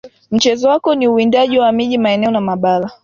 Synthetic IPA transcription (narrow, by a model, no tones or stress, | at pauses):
m̩t͡ʃɛzɔwakɔniuindaʄiwamiʄimaɛnɛɔnamaɓala